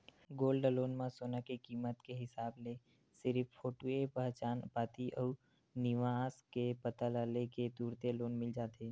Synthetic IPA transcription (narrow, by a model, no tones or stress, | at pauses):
ɡoːlɖəloːnmãsoːnakikiːmət̪keɦɪsaːble | sɪɾfpʰːoːʈuepəɦt͡ʃaːnpaːt̪iʔɔː | nɪʋaːskepət̪alaːleked̪uːɾt̪eloːnmɪld͡ʒaːt̪eː